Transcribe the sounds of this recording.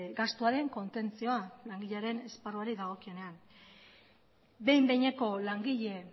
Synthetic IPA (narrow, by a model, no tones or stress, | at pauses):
ɡast̪uaɾe̞ŋko̞nt̪e̞nt͡sio̞alaŋɡiʎeaɾe̞ne̞sparuaɾiðaɣ̞o̞kio̞ne̞an | be̞jmbe̞jɲe̞ko̞laŋɡiʎe̞